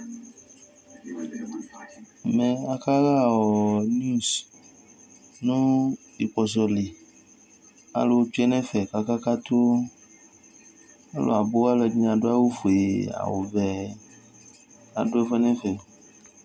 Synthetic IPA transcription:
mɛ̃˨a˨ka˦la˦˨wɔ˨n˦u˦˨s | nũ˦ | i˨k͡pɔ˨s̬ɔ˨li˨ | a̰˦lo˨t͡ʃɛ˦nɛ̃˦fɛ˨ka˦ka˦ka˦t̪o˦ | a˦lo̰˨a˨bo˦a˦lɛ˨dĩ˦a˨ɖo˦a˦wo˦fo˨e˨a̰˨wo̰˨vɛ˨ | a̰˨ɖo˦ɛ˦fɛ˦nɛ̃˦fɛ˨

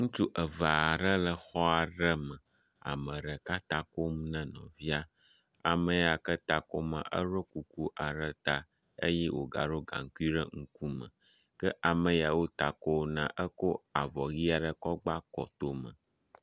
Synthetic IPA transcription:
ŋũ˦t͡ʃu˦ʔə˨va˨ɖə˦lə˦xɔ˦a˨ɖə˦mə̃˨ | a̰˨mə̃˨ɖə˨ka˦t̪ã˦ko˦m˦nə̃˦nɔ̰̃˨vi˦a˦ | a˨mə̃˨ja˨kə˦t̪a˨ko˦mə̰̃˨ʔə̰˦ɾo˦ku˨ku˦ʔa˨ɖə˦t̪a˨ | ə˦jɛ˦wo˨ɡa̰˨ɖo˦ɡã̰˨ŋ˨ki˦ɖə˦ŋ̩˦ku˦mə̰̃˨ | kə˦ʔa˨mə̃˨ja˨wo˦t̪a˨ko˦nã˦ʔə˦ko˦a˨vɔ˨ɣi˦a˨ɖə˦kɔ˦ɡ͡ba˦kɔ̰˨t̪o˦mə̰̃˨

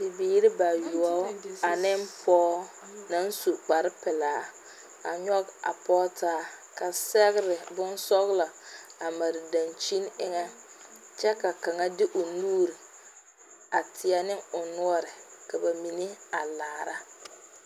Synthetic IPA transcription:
bi˨biː˦ɾɪ˦ba˨ju˨ɔ˦a˨nɪ˦mpʰɔː˦ | na˦n˦su˨k͡pa˨ɾɪ˦pɪ˨laː˦ | a̰˨ɲɔ˦ɡa̰˨pɔː˦taː˦ka˨sɛ˦ɣɾɪ˨bʊ˦n˦sɔ˦ɣla˨a˨ma˨ɾɪ˨da˨nt͡ʃi˦nɪ˦ŋɛ˦ | t͡ʃɛ˦ka˨ka˨ŋa˦dɪ˦ʔʊ˨nuː˦ɾi˨ | a˨tʰɪ˨a˦nɪ˦ŋʊ˨nʊ˦ɔ˦ɾɪ˨ka˨ba˨mi˨ni˦a˨laː˨˦˨ɾa˦

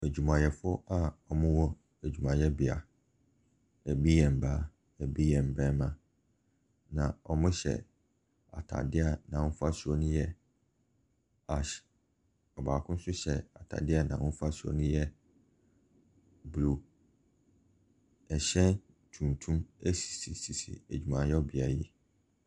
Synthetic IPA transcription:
æ˨d͡ʑᶣu˨mã˨jɛ˨fʊ˦a˦ɔ˨mʊ̃˦wɔ˦ | æ˨d͡ʑᶣu˨mã˨jɛ˦bɪ˨a̰˨ | æ˨bi˦jɛ̃˨m˨baː˦ | æ˨bi˦jɛ̃˨m˨bɛ̃˦mã˨ | nã˨ɔ˨mʊ̃˦ɕɛ̰˨ | a̰˨tʰa̰˨dɪ˦a˨nã˨wʊ̃˦fa˦su˦ɔ˦nʊ̃˦jɛ˦ | a˨ | ɔ˨baː˨kʰʊ̃˦n˦sʊ˦ɕɛ˨a˨tʰa̰˨dɪ˦a˨nã̰˨wʊ̃˦fa˦su˦ɔ̰˦nʊ̃˦jɛ˦ | bu˨lu˨ | ɛ˨ɕɛ̃˦n | tʰũ˨n˨tʰũ˦mæ˦si̥˨si˨si˨sḭ˨æ˨d͡ʑᶣu˨mã˨jɔ˦bɪ˨a˨ji˦

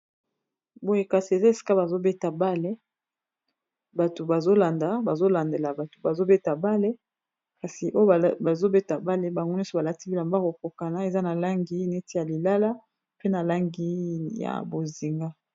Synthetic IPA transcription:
bo˦je˦ka˨si˨e˨za˦e˨si̥˦ka˦ba˨zo˦be˦ta˨ba˦le˦ | ba˨to˨ba˨zo˦la˨nda˨ba˨zo˦la˨nde˨la˨ba˨to̥˨ba˨zo˦be˦ta˨ba˦le˦ | ka˨si˨ʔo˦jba˨zo˦be˦ta˨ba˦le˦ba˨ŋɡo˦n˦ɔ˦so˦ba˨la˨ti˦ki˦la˨mba˦ko˨ko˨ka˨na˦e˨za˦na˨la˦ŋɡi˦ne˦ti˦ja˨li˨la˦la˦ | pe˦na˨la˦ŋɡi˦ja̰˨bo˨zi˨ŋɡa˦

